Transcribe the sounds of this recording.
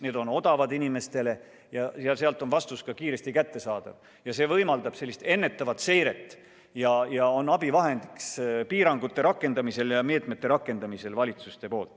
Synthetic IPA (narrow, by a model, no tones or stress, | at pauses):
ne̞ːd̪̥o̞no̞d̪̥ɑvɑd̪inime̞st̪e̞le̞ | jɑseɑlseɑlt̪ˑo̞nvɑst̪uskɑkiːɾe̞st̪ikæt̪ːe̞sɑːd̪̥ɑ̰v | jɑse̞ːvɤjmɑld̪ɑb̥selːist̪e̞nːet̪ːˑɑvɑt̪se̞jɾe̞t̪ːˑ | jɑjɑo̞nːɑbivɑɦe̞nd̪̥ikspiːɾɑŋɡ̥ut̪ːe̞ɾɑkːˑe̞nd̪ɑmise̞ljɑmeːt̪met̪ːe̞ɾɑkːˑe̞nd̪ɑmise̞lvɑlʲit̪sust̪e̞po̞ːlt̪ːˑ